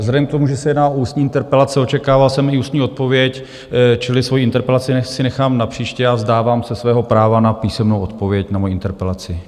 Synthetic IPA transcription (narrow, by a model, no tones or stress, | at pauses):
vzlɛdɛmkt̪omuʒɛsɛjɛdnaːʔouːst̪ɲiːɪnt̪ɛɾpɛlat͡sɛo̞t͡ʃɛkaːvalsɛmɪuːst̪ɲiːo̞t̪̚po̞vjɛc | t͡ʃɪlɪsvo̞jiɪnt̪ɛɾpɛlat͡sɪɛsɪnɛxaːmnapr̝̥iːʃcɛazdaːvaːmsɛsvɛːɦo̞pɾaːvanapiːsɛmnowʔo̞t̪po̞vjɛcnamojiʔɪnt̪ɛɾpɛlat͡sɪ